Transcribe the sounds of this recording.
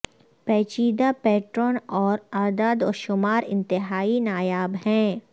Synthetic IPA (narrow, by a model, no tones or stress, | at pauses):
pɛːt͡ʃiːd̪apɛːʈɾɔːnɔːɾaːd̪aːd̪ɔːɾʃʊmaːɾɪ̰̃nt̪ɪɦaːinaːjaːbɦɛ̃ː